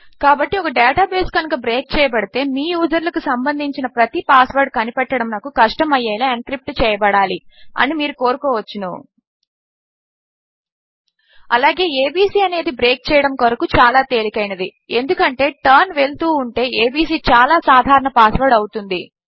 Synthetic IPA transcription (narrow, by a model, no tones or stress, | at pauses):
kaːbɐʈːiɔkɐɖɛːʈaːbeːskɐnukɐbɾeːk̚t͡ʃɛːjɐbɐɽit̪e̞ːmiːjuːzɐɾlɐkusɐmbɐnd̪ʱiɲt͡ʃinɐpɾɐt̪ipaːsʋɐɾɖ̚kɐnipɛʈːɐɽɐmnɐkːukɐʂʈɐmɐjːɐjlɐankɾip̚ʈt͡ʃɛːjɐbɐɽaːliɐ̰nimiːɾuko̞ːɾukoːʋɐt͡ʃːinṵ | ɐlaːɡe̞ːeːbiːsiːɐne̞ːd̪ibɾeːk̚t͡ʃɛːjɐɽɐmkoɾɐkut͡ʃaːlaːt̪e̞ːlikɐjnɐd̪ie̞nd̪ukɐɳʈe̞ːʈɐɾnʋe̞lt̪uːuɳʈe̞ːeːbiːs̬iːt͡ʃaːlaːsaːd̪ʱaːɾɐɳɐpaːsʋɐɾɖɐwut̪und̪i